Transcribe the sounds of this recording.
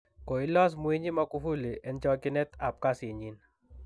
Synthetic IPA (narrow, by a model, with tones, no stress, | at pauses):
ko˨ɪ˦lɔ˦s̬mu˦e˦ɲi˦ma˦ku˦fu˦le˨ʔe˨nt͡ʃɔ˦kɪ˦nɛ˦t̪a˨p̚ka˦se˨ɲi˨n